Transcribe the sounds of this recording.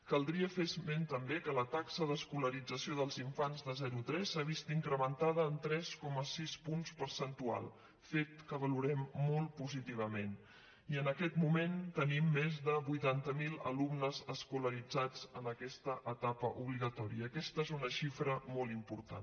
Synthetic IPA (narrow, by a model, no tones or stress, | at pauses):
kəlˠd̪ɾiəfezment̪əmbekələt̪aksəðəskuləɾid͡zəsioðəlˠziɱfanzðəzɛɾut̪ɾɛsaβ̞ist̪iŋkɾəmənt̪aðəːnt̪ɾɛskɔməsispunspəɾsənt̪ua̰lˠ | fet̪̚kəβəluɾɛmːɔlˠpuzit̪iβ̞əmen | iənəkɛt̪mument̪ənimːezðəβujt̪ant̪əmilˠə̰lumnəzəskuləɾid͡zad͡zənəkɛst̪əʔət̪apəʔuβliɣət̪ɔɾiəːkɛst̪əezunəʃifɾəmɔlˠimpuɾt̪a̰n